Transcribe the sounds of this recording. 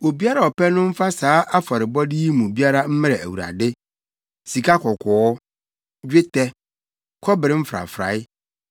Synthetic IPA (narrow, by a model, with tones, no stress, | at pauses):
o˨bi˦a˦ɾa˨ɔ˨pɛ˦nʊ̃˦m̩˦fa˦saː˨˦ʔa˦fa˨ɾɪ˨bɔ˦di˦i˦mũ˨bi˦a˦ɾa˦m̩˦mɪ̃˦ɾɛ˨æ˨wu˨ɾa̰˨dɪ˦ | si˨kʰa˦kʰɔ˨kʰɔ˨˦ | d͡ʑᶣɪ˦tʰɛ˦ | kʰɔ˦bɪ˨ɾɪ˦m̩˦fɾa̰˨fɾa̰˨˦ɪ˦